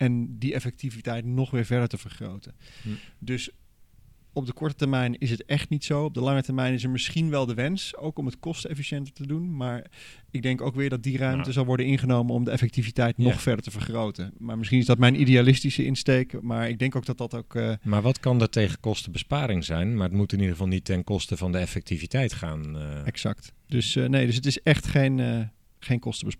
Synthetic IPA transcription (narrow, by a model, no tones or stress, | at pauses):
ɛndiɛfɛk̚tivitɛjtnɔχʋɪːɹvɛɹdəɹtəv̥əɹχro̰wtəndɵs | ɔb̚dəkɔɹtətəɹmɛjnɪs̬ɦətɛχtnitsowɔb̚dəlɑŋətəɹmɛjnɪs̬əɹmɪsχinʋɛlˠdəʋɛnsowkɔmətkɔstəɛfiʃɛntətədunmaːɹ | ɪɡ̚dɛŋkowkʋɪːɹdɑt̚dirœɥmtəzɑlˠʋɔɹdənɪnχənowmənɔmdəɛfɛk̚tivitɛjtnɔχfɛɹdəɹtəvəɹχrowtəmaːɹmɪsχinɪzdɑtmɛjnʔidejalɪstisəʔɪnstejkmaːɹɪɡ̚dɛŋkowk̚dɑt̚dɑtokːmaːɹʋɑtkɑndətejχəkɔstəbəspaːɾɪŋzɛjnmaːɹətmutɪnidəʁəvɑlˠnitɛnkɔstəvɑndəɛfɛk̚tivitɛjtχaːnɛksɑ̰ktd̥øsnejdɵs̬ətɪsɛχtχejnə | χejnkɔstəbəs